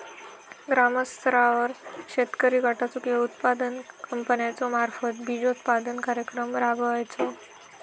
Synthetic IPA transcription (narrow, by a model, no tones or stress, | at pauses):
ɡɾaməst̪ɾaʋəɾɕet̪kəɾiɡaʈat͡sukeut̪pad̪ənkəmpənjat͡somaɾfət̪bʱid͡ʑout̪pad̪ənkaɾjəkɾəmɾabəajt͡so